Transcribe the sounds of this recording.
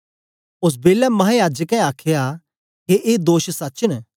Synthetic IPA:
ʊs̬beːlɛmɐɦãjaːd͡ʒəkɛ̃aːkʰeja | keʔeːd̪oːʃsɐtːt͡ʃəñ

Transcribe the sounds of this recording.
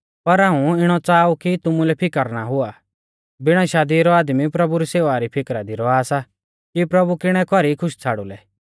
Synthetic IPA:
pɐɾaːũɪɽ̃ɔt͡saːukit̪ʊmulɛpʰɪkəɾnaɦʊa | bɪɽ̃aʃaːd̪iɾɔaːd̪mipɾɐbuɾiseːʋaɾipʰɪkɾad̪iɾɔaːsa | kipɾɐbukɪɽ̃ɛkɔɾikʰʊʃt͡sʰaːɽulɛ

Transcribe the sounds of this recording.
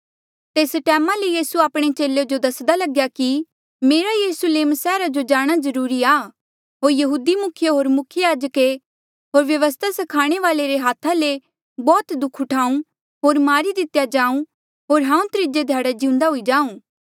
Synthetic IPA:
t̪eːsʈɛːmãlejiːsuaːpɽ̃et͡ʃeːled͡ʒod̪ɐsd̪alɐɡjaki | meːɾajiːɾʊsʊleːmsɛːɾad͡ʒod͡ʒaːɽ̃azɐɾuːɾiaː | ɦoːɾjɐɦuːd̪imʊkʰjəɦoːɾmʊkʰjəjaːd͡ʒəke | ɦoːɾʋjɐʋəs̬t̪ʰasɐkʰaːɽ̃eʋaːleɾeɦaːt̪ʰːale | bɔːt̪d̪ʊkʰʊʈʰaːũ | ɦoːɾmaːɾid̪ɪt̪jad͡ʒãːũ | ɦoːɾɦãːũt̪ɾɪd͡ʒed̪ʱjaːɽad͡ʒiʊ̃nd̪aɦʊid͡ʒaːũː

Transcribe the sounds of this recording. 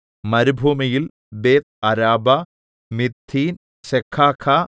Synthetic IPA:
mɐɾubʱuːmɐjil | beːt̪̚ɐɾaːbɐ | mit̪ʰːiːn | ɕekʰːaːkʰa

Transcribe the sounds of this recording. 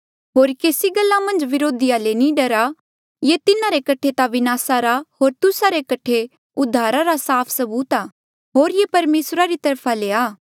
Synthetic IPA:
ɦoːɾkeːsiɡɐlːamɐ̃nd͡ʒʋɪɾoːd̪ɪjalenĩɖɐɾa | jet̪ɪnaɾekɐʈʰet̪aʋɪnaːsaɾaɦoːɾt̪ʊsaɾekɐʈʰe | ʊd̪ʱːaːɾaɾasaːpʰsɐbuːt̪aː | ɦoːɾjepɐɾmeːsɾaɾit̪ɐɾpʰaleːaː

